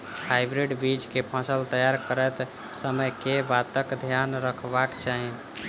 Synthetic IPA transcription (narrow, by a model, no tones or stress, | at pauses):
hajbɾiɖbid͡ʒkepʰə̃səlt̪əjaɾkəɾɛt̪ | səməjkebat̪əkd̪ʱjanɾəkʰbakt͡ʃaɦi